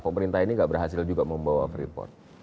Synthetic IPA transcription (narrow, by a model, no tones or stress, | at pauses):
pəməɾint̪aɦiniŋɡaʔbərɦasɪld͡ʒuɡaməmbawa̰fɾḭpɔ̰rt̪̚